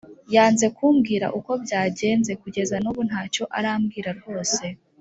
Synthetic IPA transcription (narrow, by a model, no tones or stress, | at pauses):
jaːnze̞kuːmɡiːɾa̰ʔuko̞bɟaːɟe̞ːnze̞kuɟe̞zanuβun̥haːco̞ʔaɾaːmɡiːɾaɾɡo̞ːse̞